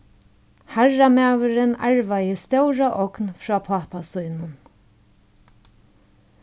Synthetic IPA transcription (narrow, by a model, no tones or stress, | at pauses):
haɹamaːvəɾɪna̰ɹvajəst̪œwɾaʔɔknfɾɔːpʰaːpasujnʊn